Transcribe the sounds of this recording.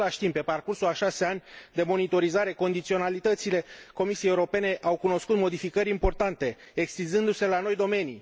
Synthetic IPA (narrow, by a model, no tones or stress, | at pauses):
laʃt̪impːe̞parkursulaʃase̞anʲd̪e̞mo̞nit̪o̞ɾizaɾe̞ko̞nd̪it̪sio̞nalit̪ət̪sile̞ko̞misijejeuɾo̞pe̞ne̞ʔawkuno̞skut̪mo̞d̪ifikəɾʲimpo̞rt̪ant̪e̞ | ekst̪inzɨnd̪use̞lano̞jd̪o̞me̞ni